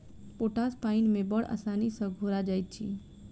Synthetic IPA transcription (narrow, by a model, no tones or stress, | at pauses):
poʈaspaɪnmẽbəɽa̰sanisəɡʱoɾad͡ʒaːjt̪̚t͡ʃʰḭ